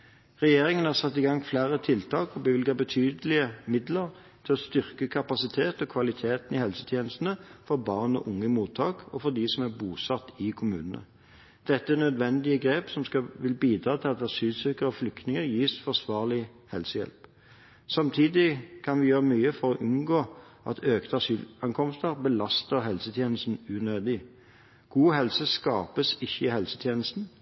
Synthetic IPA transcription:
ʁɛjeːɾɪŋənhɑːʁsɑt̪ːɪːɡɑŋːflæːɾət̪ʰɪlt̪ʰɑːkɔbəʋɪlɡɑbət̪ʰyːd̪əlɪəmɪd̪ləʁ | t̪ʰɪlɔst̪ʏʁkəkʰɑpɑsɪt̪ʰeːt̪ɔkʰʋɑlɪt̪ʰeːt̪n̩ɪhɛlsə̥t̪ʰjeːnəst̪n̩əfɔɾbɑːʁnɔ̰ʔʊŋːəmuːt̪ʰːɑːkɔfɔʁd̪ɪsɔmæʁbuːsɑt̪ːɪkʰʊmʉ̰ːnənə̰ | d̪̥ɛt̪ːəænœd̪ʋɛnd̪ɪəɡɾeːpsɔmskɑʋɪlbiːd̪ɾɑːt̪ʰɪlɑt̪ɑsyːlsʏɾkəɾəɔflʏkt̪nɪŋəɾjiːsfɔʁsʋɑːʁlɪ | hɛlsəjɛ̰lp | sɑmt̪ʰiːd̪ɪkʰɑnʋɪjøːʁəmyːəfɔɾɔʔʉnɡoː | ʔɑ̰t̪ʰøːkt̪ɑsyːlɑŋkʰɔmst̪əɾbəlɑst̪əɾhɛlsət̪ʰjeːnəst̪n̩ʉnøːd̪ɪ | ɡ̥uːɦɛlsəskɑːpəsɪçːəɪhɛlsət̪ʰjeːnəst̪n̩

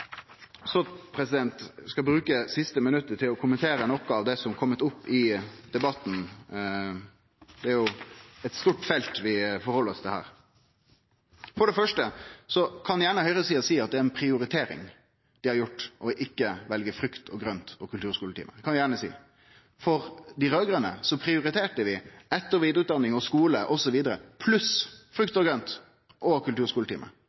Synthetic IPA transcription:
sɔpʰɾɛsɪd̪ɛnt̪skɑbɾʉːkəsɪst̪əmənʉt̪ːəʈʰɪlɔkʰʊmənt̪ʰeːɾənɔkːɔɑʋd̪ɛsɔmkʰɔmːət̪ʊpːɪd̪̥ɛbɑt̪ːn̩ | d̪ɛæɾjʊɛt̪st̪uːʈfɛlt̪ʋɪfɔɾhɔləɾɔst̪ɪhæ̰ːɾ | fɔɖɛfœʂʈəsɔkʰɑnjæːɳəhœʏʁəsiːɑsiːɑt̪̚d̪ɛæɾɛnpʰɾɪʊɾɪt̪ʰeːɾɪ̰ŋ | d̪̥ɪhɑɾjʊʈːʔɔʔɪkːəʋɛlɡəfɾʉkt̪ʰɔɡɾœnt̪ɔkʰʉlt̪ʉːɾskuːlət̪ḭːməkʰɑnjæːɳəsḭː | fɔɾd̪ɪɾøːɡɾənə̰sɔpʰɾɪʊɾɪt̪ʰeːʈəʋɪɛt̪ːəɾʋiːd̪əɾʉːt̪d̪ɑnːɪŋɔskuːləʔɔsɔʋiːd̪əɾəpʰlʉsfɾʉkt̪ɔɡɾœnt̪ | ʔɔkʉlt̪ʉːɾʂkuːlət̪ʰiːmə̰

